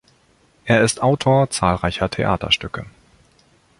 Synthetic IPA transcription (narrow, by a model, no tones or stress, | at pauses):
ʔeːɐɪstʔaʊtʰoːɐt͡saːlʁaɪçɐtʰeʔa̰ːtʰɐ̰ʃtʏkə